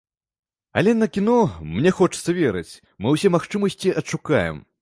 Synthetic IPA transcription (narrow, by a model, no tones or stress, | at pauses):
ɐ̰lʲɛnɐkʲinɔmnʲɛxɔt͡ʂɨ̥t̪sɐvʲɛɾɨt͡sʲ | mɨwsʲɛmaxt͡ʂɨmɐsʲt͡sʲiɐtʂuka̰jɛ̰m